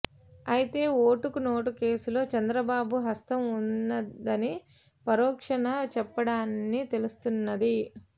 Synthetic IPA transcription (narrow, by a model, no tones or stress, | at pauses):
ɐjit̪e̞ːo̞ːʈukuno̞ːʈuke̞ːsulo̞ːt͡ʃɐnd̪ɾɐbaːbuɦɐst̪ɐmunːɐd̪ɐni | pɐɾɔːkʂɐnɐt͡ʃɛpːɐɽaːnːit̪e̞lust̪unːɐd̪i